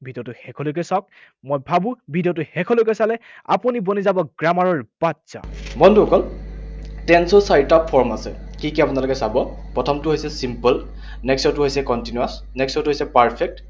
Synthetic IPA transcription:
bʱidijɔtʊhɛkʰɔlojk̬ɔsak̚ | mojbʱabʊ̃bʱidijɔtʊhɛkʰɔlojkɛsalɛ | a̰punibonizabɔɡɹamaɹɔɹbatsa̰bɔnduɔkɔl | tɛnsɔsaɹitɔpʰːɔɹmasɛkikiapunalokɛsabɔpɹɔtʰɔmtʊɦojsɛsimpɔl | nɛksɔtuɦojsɛkɔntinuas | nɛkstɔtʊɦojsɛpaɹpʰɛk̚t

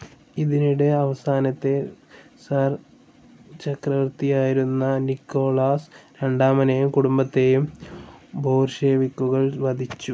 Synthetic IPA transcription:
iðiniɽe̞ɐʋɐsaːnɐt̪ːe̞saːr | t͡ɕɐkrɐʋɐrt̪ijaːjiɾunːɐnikːo̞ːɭaːsɾeɳɖaːmɐnejumkuɽumbɐt̪ːe̞jum | bʱo̞ːrʂeːʋikːuɣɐɭʋɐd̪ʱit͡ɕːu

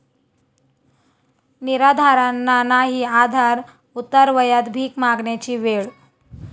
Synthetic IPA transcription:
niɾad̪ʱaɾanːanaɦiːad̪ʱaɾ | ut̪ːəɾʋəjat̪bʱiːkmaɡɳjat͡ɕiːʋeɭ

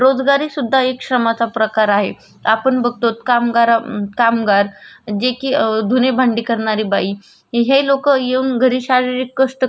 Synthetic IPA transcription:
ɾod͡zɡaɾiːsud̪ʱːaekʂəmat͡sapɾəkaɾaɦe | apəɳbəɡ̚ʱt̪ot̪kamɡaɾakamɡaɾd͡ʑekiːd̪ʱunebʱaɳɖiːkəɾɳaɾiːbai | ɦelokəjeuːnɡʱəɾiːɕaɾiɾikːəʂʈə

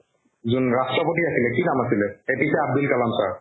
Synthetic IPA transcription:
zunɹastɹɔpotiasilɛkinamasilɛepisɛab̚d̪ilkalamsa̰ɹ

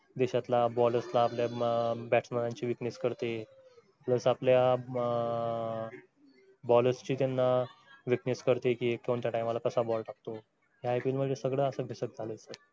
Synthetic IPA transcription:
d̪eɕat̪labɔləslaːpljabæʈsmənãɲt͡ɕiːʋiknəskəɾt̪e | pləsaplja | bɔləst͡ɕiːt̪janːaʋiknəskəɾt̪ekiːek̚t̪oɳt̪jaʈajmalakəsabɔlʈak̚t̪o | ɦjaipilməd͡zesəɡɭəəsəɡʱesək̚d͡zʱalət͡sə

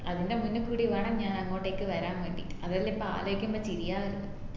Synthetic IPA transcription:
ɐðindemunːɨkːuːɽiʋeːɳɐmɲaːnɐŋːo̞ːʈːeːkːɨʋɐɾaːnʋeːɳɖḭɐðɐilipːoa̰ːloːikʲːumboːt͡ɕiɾijaːʋɐɾunːu

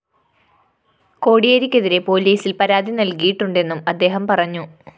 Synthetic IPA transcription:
ko̞ːɽijeɾikʲːe̞ðiɾe̞po̞ːliːsilpɐɾaːd̪ʱinɐlkijiʈːuɳɖe̞nːumɐd̪ːe̞ːɦɐmpɐrɐɲːu

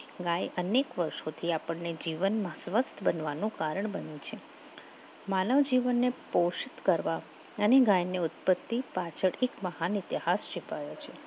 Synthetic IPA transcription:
ɡãjənekʋəɾʃot̪ʰiapəɳned͡ʒiʋənmãsʋəst̪ʰəbənʋanũkaɾəɳbənit͡ʃʰe | maləʋd͡ʒiʋənːepoʃt̪kəɾʋa | əneɡajneʊt̪̚pət̪ːipat͡ʃʰəɽekməɦanit̪ihasd͡ʒipajot͡ʃʰe

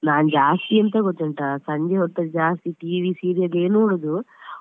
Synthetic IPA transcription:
naːnd͡ʒaːst̪iɐnt̪ɐɡot̪ːɐɳʈasɐɲd͡ʒeɦɔt̪ːɐd͡ʒaːst̪iʈiːʋisiːɾijɐɡeːnuːɽod̪u

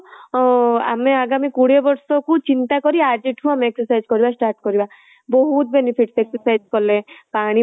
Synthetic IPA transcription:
a̰meaɡamikuɽebɔɾsɔkut͡ʃint̪akɔɾiad͡ʒeʈʰũameeksɔsajd͡ʒkɔɾibasʈaɾʈkɔɾiba | bɔɦut̪̚benipʰiʈseksɔsajd͡ʒkɔlepaɽ̃i

